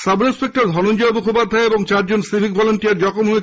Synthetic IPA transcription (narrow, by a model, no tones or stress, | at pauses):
sabɾispek̚ʈɔɾd̪ʱɔnond͡ʒɔomukʰopad̪ʱːaeebɔŋt͡ʃaɾd͡ʒonsibʱikbɔlɔɳʈijaɾd͡ʒɔkɔmɦue